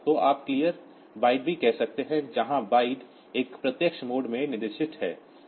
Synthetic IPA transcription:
t̪oʔaːp̚kliːjəɾ | baːɪɖ̚bʱikɛɦsɐk̚t̪eɦɛ̃d͡ʒɐɦãbaːɪɖ | eːkpɾɐt̪jəkʃmoːɖmẽnɪɾɪʃɪt̪ɦɛː

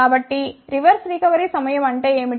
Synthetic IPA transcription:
aːbɐʈːiɾɪʋɐɾsɾikɐʋɐɾisɐmɐjɐmɐɳɖɐeːmɪ

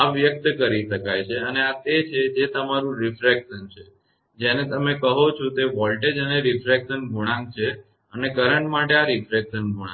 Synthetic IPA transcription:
aʋjək̚t̪kəɾiʃəkajt͡ʃʰeəneat̪et͡ʃʰed͡ʒet̪əmaɾũɾifɾekʃənt͡ʃʰe | d͡ʒenet̪əmekəɦot͡ʃʰɔ̃t̪eʋɔlʈed͡ʒəneɾifɾekʃənbʱuɽ̃ãŋɡ̚t͡ʃʰe | ənekəɾəɳʈmaʈeaɾifɾekʃənbʱuã

